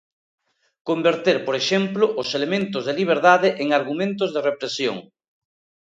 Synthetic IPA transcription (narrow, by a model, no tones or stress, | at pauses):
kombeɾt̪eɾpoɾeʃemplʊʔʊselemẽnt̪ʊzðeliβ̞eɾðaðɪʔeŋaɾɣumẽnt̪̬ʊzðerepɾesjo̰ŋ